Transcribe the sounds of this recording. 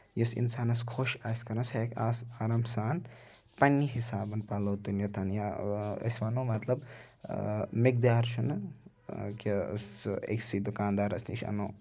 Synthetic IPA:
jisḭnsaːnɐskʰoʃaskɐɾɐsʰekʲasaɾamsaːn | pɐnːiɦisaːbɐnpɐloːt̪unjɐt̪ʰɐnjaɐ̰sʲʋanoːmɐt̪lɐb | mik̚d̪jaːɾʃʰun | kʲḛsḛksid̪ukaːnd̪aːɾɐsniʃɐ̰noː

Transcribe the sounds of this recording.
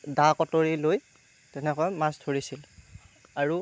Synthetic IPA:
dakɔtoɹiloj | tɛnɛkɔɛmãstʰoɹisil | aɹu

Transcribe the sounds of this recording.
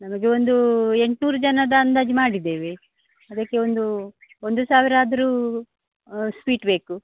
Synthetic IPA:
nɐmɐɡe̞o̞nd̪ue̞ɳʈnuːɾud͡ʒɐnɐd̪ɐːnd̪aːd͡ʒimaːɽid̪e̞ːʋe | ɐd̪ɐkːe̞o̞nd̪uo̞nd̪usaːʋiɾaːd̪ɐɾuː | spiːʈbe̞ːku

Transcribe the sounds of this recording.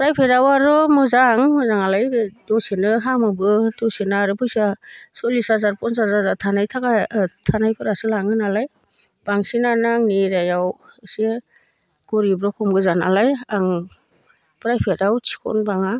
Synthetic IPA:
pɾajpʰeɾawaɾɯmɯzaŋmɯzaŋalajdɔsenɯɦamɯbɯtɔsenaɾɯpʰujsasɔlisazaɾpɔnsazazatʰanajtʰakatʰanajpʰɯɾasɯlaŋɯnalaj | b̥aŋsinanaŋniɾajawse | ɡ̥ɔɾibɾɔkʰɔmɡɯzana̰lajaŋ | pɾajpʰeɾawt͡ʃʰi̥kʰɔ̰nbaŋa

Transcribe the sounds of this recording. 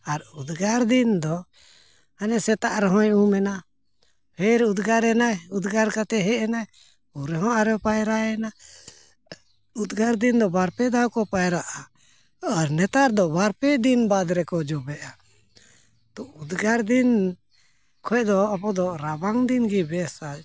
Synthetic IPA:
aɾud̪ɡaɾd̪ind̪ɔ | anɛsɛt̪aʔɾɛɦɔ̃jumɛna | pʰɛɾud̪ɡaɾɛnajud̪ɡaɾkat̪ɛɦɛɛnaj | uɾɛɦɔ̃ʔaɾɛpajɾaɛna | ud̪ɡaɾd̪ind̪ɔbaɾpɛd̪awkɔpajɾaʔa | aɾnɛt̪aɾd̪ɔbaɾpɛd̪inbad̪ɾɛkɔd͡ʒɔbɛʔa | t̪ɔud̪ɡaɾd̪in | kʰɔɛʔd̪ɔapɔd̪ɔɾabaŋd̪inɡibɛsad͡ʒ

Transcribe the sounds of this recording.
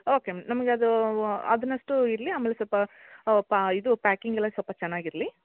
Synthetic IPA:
o̞ːkemnɐmɐɡeɐd̪uɐ̰d̪ɐnːɐʂʈuiɾɐliaːmeːlesɔlpɐpid̪upaːkiŋɡɛlːɐsɔlpɐt͡ʃɛnːaːɡiɾɐli

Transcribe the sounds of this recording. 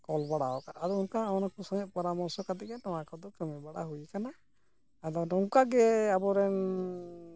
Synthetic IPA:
kɔlbaɽaɔkaaɾɔunkaanakusɔŋɛʔ̚pɔɾamɔɾsɔkat̪ɛkɛnɔwakɔd̪ɔkəmɛbaɽaɦujikana | ad̪ɔnɔwkaɡɛabɔɾɛn

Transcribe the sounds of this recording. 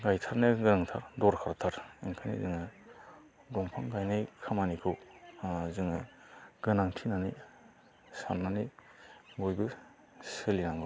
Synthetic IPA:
ɡajtʰaɾneɡɯnaŋtʰa̰ɾdɔɾkʰaɾtʰaɾiŋkʰanḭzɯŋɯ | dɔŋpʰaŋɡajnajkʰamanikʰɯw | zɯŋɯɡ̥ɯnaŋtʰinani | sanːani | ɡojbɯ | sɯlinaŋɡɯ

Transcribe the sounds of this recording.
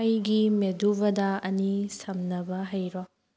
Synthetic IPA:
jɡimeduβɐdɐɐnisɐmnɐbɐɦɐjɾo

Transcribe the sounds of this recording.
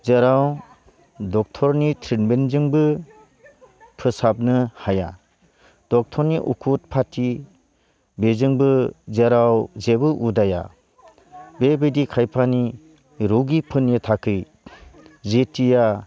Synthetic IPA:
zeɾaw | dɔk̚tʰɔɾnitʰɾinbenzɯŋbɯ | pʰɯsap̚nɯhaja̰ | d̥ɔk̚tʰɔɾniʔukʰut̚pʰatʰi | bezɯŋbɯzeɾawzebɯʔudaja̰ | bebɯdikʰajpʰani | ɾoɡipʰɯnjɯtʰakʰɯj | zetʰija

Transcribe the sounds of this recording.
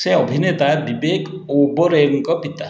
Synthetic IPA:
seɔbʱinet̪abibekobɔɾeŋkɔpit̪a

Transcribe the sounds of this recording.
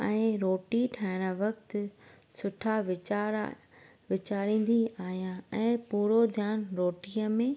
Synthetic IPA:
ɛ̃ːɾoːʈiʈʰaːɦɪɽ̃əʋɐkt̪ʊ | sʊʈʰaʋɪt͡ɕaːɾ | ʋɪt͡ɕaːɾĩːn̆d̪iaːɦijãɛ̃ːpuːɾod̪ʱjaːnɾoːʈiːəmẽ

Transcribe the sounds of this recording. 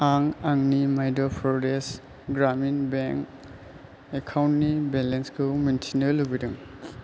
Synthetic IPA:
aŋaŋnimajdɔpʰɾɔdes | ɡɾaminbeŋk | ekʰawntnibelenskʰɯmentʰinɯluɡidɯŋ

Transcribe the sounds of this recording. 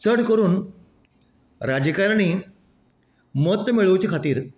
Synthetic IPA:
səɽkəɾuːn | ɾad͡ʑəkaɾañi | məɦt̪ːəmeɭəʋt͡ɕiːkʰat̪iːɾ

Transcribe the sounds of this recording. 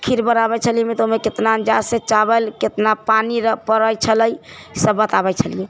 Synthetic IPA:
əkʰiɾbəɾaβɛt͡ʃʰəlijemet̪omeket̪nand͡ʒaset͡ʃabəlket̪napaniɾəpəɾəjt͡ʃʰələjsəbːət̪abɛt͡ʃʰəlije

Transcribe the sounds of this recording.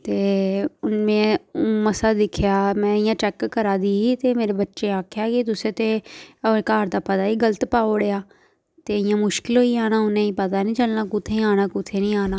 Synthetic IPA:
t̪eːʊnmẽːməsaːd̪ɪkʰjaːmɛ̃ːɪjãːt͡ʃɛːkːəɾaːd̪iːiːt̪eːmeːɾeːbətːʃeːaːkʰjaːkɪt̪ʊsẽːt̪eːkaːɾd̪aːpət̪aːiːɡələt̪paːoːɽeːaː | t̪eːɪjãːmʊʃkɪlɦoːiːaːnaːʊnẽːĩːpət̪aːnĩːt͡ʃəlnaːkʊt̪ʰːẽaːnaːkʊt̪ʰːeːnĩːaːnaː

